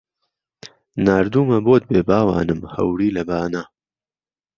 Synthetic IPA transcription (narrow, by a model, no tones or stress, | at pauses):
naːɾd̪uːmɐboːt̪̚beːbaːwa̰ːnɨmhɐ̰wɾiːlɐbaːnaː